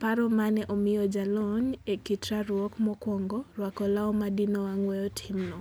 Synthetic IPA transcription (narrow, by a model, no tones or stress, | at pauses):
paɾɔmanɛʔomɪjɔd͡ʒalɔɲekɪtɾaɾwɔkmɔkwɔŋɡɔrwakɔlaɔmadinɔwaŋwɛjɔtʰɪmnɔ